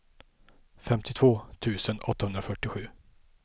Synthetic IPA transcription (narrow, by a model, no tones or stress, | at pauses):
fɛmt̪ʰɪt̪ʰv̥oːt̪ʰʉ̟ːsənɔt̪ːahɵnd̪ɾafœʈːɪɧʉ̟ː